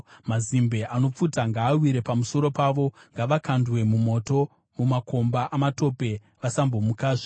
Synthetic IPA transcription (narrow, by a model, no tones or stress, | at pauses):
mazimbe̞ʔano̞p͡futaŋɡaːwiɾe̞pamuso̞ɾo̞paʋo̞ŋɡaʋakandwe̞mumo̞to̞ | mumakʰo̞mbaʔamato̞pe̞ | ʋasambo̞mukaːʐe